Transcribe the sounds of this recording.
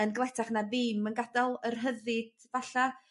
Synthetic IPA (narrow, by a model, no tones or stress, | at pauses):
ənɡəlˠɛtʰaχnaðɪːmənɡadɔlˠərɦəðɨd̥ | vaɬa